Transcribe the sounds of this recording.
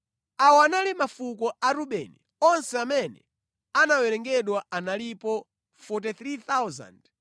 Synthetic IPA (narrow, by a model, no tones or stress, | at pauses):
awɔanalimafukɔʔaɾuɓɛni | ɔnsɛamɛnɛ̰ | anawɛɾɛŋɡɛɗwaanalipɔ | fɔtiθɾiθawza̰nd